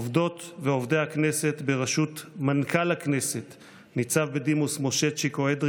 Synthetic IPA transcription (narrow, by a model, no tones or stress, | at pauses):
ovd̪o̞t̪veovd̪ejaknese̞t̪beʁaʃut̪mankʰalakne̞se̞t̪ | nit͡savbed̪imusmo̞ʃet͡ʃikoed̪ʁ